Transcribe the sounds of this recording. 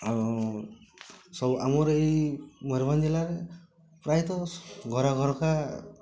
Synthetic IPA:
aɔ | sɔbamɔɾejmɔɾband͡ʒelaɾe | pɾajt̪ɔɡʱɔɾaɡʱɔɾɔka

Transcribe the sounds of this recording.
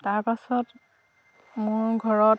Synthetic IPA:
taɹpasɔt | mʊɹɡʱɔɹɔ

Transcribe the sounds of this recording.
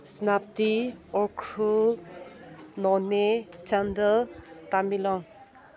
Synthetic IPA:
snap̚tiɔkʰɾu | nɔnet͡ʃandətamilɔŋ

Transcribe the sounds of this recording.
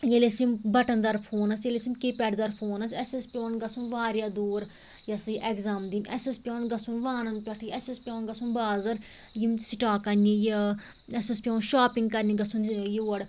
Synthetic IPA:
jelesimbɐʈɐnd̪ɐɾpʰoːnɐs̬jelesimkipʲɛʈd̪ɐɾpʰoːnɐsɛsispʲoːnɡɐsunʋaːɾjaːd̪oːɾ | jɐsiʔɛkzaːmd̪inɛ̰sɐspʲjoːnɡɐsũnʋaːnɐnpʲɐʈʰiɛsispʲoːnɡɐsunbaːzɐɾ | jimsiʈaːkɐnije | ɛsispʲõːnʃaːpĩŋɡ̚kɐɾniɡɐsunjoːɐɽ

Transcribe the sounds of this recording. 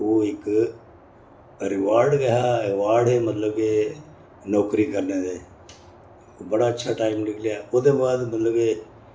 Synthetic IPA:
oːɪk | ɾɪʋaːɾɖɡəɦaːɪʋaːɾɖemət̪ləbeː | nɔːkɾiːkəɾneːd̪eː | bəɽaːətːʃʰaːʈaːɪmlɪkʰlejaːʊd̪eːbaːd̪mət̪ləbeː

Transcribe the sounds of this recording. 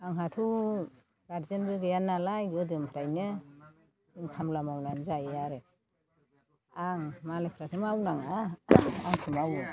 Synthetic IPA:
aŋɦatʰu | ɡaɾzɯnbɯɡɯjanːalajɡɯdɯmpʰɾajnɯ | dɯŋkʰamlamawnanzajaɾe | aŋmalepʰɾatʰɯmawnaŋa | aŋtʰɯmawɯ

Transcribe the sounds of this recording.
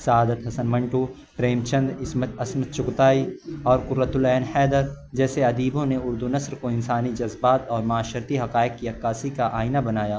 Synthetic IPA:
sɐaːd̪ət̪ɦɐsənmɐ̃ɳʈu | pɾeːmt͡ʃɐ̃nd̪ɾɪsməɐsmət̪̚t͡ʃʊkt̪aːiɔːɾkʊɾɾət̪ʊlɛːnhɛːd̪əɾ | d͡ʒɛːseɐd̪iːbõneʊɾd̪unɐsɾkoɪnsaːnid͡ʒɐzbaːt̪ɔːɾmʊaːʃəɾt̪iɦɐqaːɪkkiɐkːaːsikaʔaːɪnabɐnaːjaː

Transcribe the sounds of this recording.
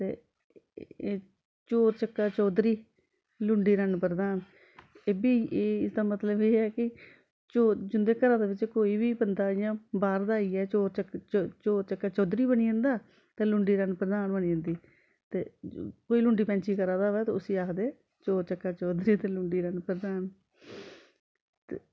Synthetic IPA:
t̪eː | t͡ʃoːɾt͡ʃəkːaːt͡ʃɔːd̪ɾiː | lʊɳɖiːɾənpɾəd̪aːn | eːbiːeːɪsd̪aːmət̪ləbeːɛːkɪ | t͡ʃoːd͡ʒʊnd̪eːkəɾãːd̪eːʋɪt͡ʃkoːiːbiːbənd̪aːɪjãːbaːɾd̪aːiːɛːt͡ʃoːɾt͡ʃəkt͡ʃoːɾt͡ʃəkːaːt͡ʃɔːd̪ɾiːbəniːə̃ːnd̪aː | t̪eːlʊɳɖiːɾənpɾəd̪aːnbəniːə̃ːnd̪iː | t̪eːkoːiːlʊ̃ɳɖiːpɛ̃ːɲt͡ʃiːkəɾãːd̪aːʋɛːt̪eːʊsiːaːkʰd̪eː | t͡ʃoːɾt͡ʃəkːaːt͡ʃɔːd̪ɾiːt̪eːlʊɳɖiːɾənpɾəd̪aːn | t̪eː

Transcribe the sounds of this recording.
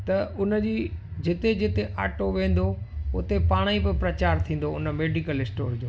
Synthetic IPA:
t̪ɐʊnəd͡ʑiːd͡ʑɪt̪ed͡ʑɪt̪eʔa̰ːʈoʋẽːn̆d̪oʊt̪epaːɽ̃ipɪpɾɐt͡ɕaːɾt̪ʰĩːn̆d̪oʊnə̆meːɖikəlɪsʈoːɾd͡ʑoː

